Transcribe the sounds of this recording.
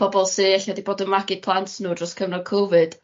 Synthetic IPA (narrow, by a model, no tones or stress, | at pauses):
ɔbɔlˠsɨːɛɬadiboːdənmaɡɪpʰlˠantʰnuːdrɔskʰəvnɔkʰovɨd̥